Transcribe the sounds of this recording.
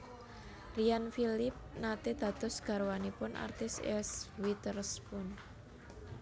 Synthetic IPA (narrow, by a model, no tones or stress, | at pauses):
rijanfilɪp̚nat̪ed̪̥a̤d̪̥ɔ̤sɡ̥a̤ɾowanipʊnʔa̰rt̪ɪsɛ̰swit̪ərspʊn